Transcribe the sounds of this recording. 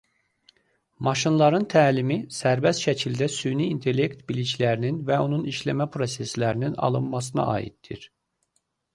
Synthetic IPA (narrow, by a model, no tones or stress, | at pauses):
mɑʃɯnlˠɑɾɯnt̪ʰæːlʲimisæɾbɛst̪ʃɛcʰilʲd̪ɛsyniːnt̪ʰe̞lʲːect̪bilʲit͡ʃlʲæɾininvɛo̞nuniʃlʲæmæpʰɾo̞seslʲæɾininɑ̰lˠɯnmɑs̬ɯna̰ʔa̰ːḭt̪ːḭɾ̥